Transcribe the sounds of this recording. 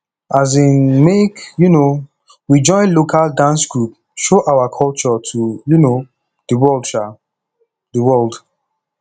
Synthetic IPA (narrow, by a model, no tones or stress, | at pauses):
azĩnmekjuno | wid͡ʒɔ̃ɪ̃nlokʰaldãnsɡɹup̚ | ʃoʔawakʰɔlt͡ʃɔtʰujuno | diwɔlt͡ʃa | dəwɔld